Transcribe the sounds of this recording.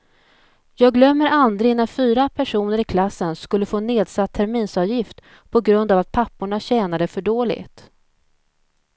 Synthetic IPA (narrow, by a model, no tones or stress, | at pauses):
jɑːɡlœmːəɾald̪ɾɪnafyːɾapʰæʂuːnəɾɪkʰlasːənskɵlːəfoːneːd̪sat̪ʰːæɾmiːnsɑvjɪft̪ | pʰɔɡɾɵnd̪avat̪̚pʰapːʊɳaɕɛːnad̪əfœɖoːlɪ̰ɡt̪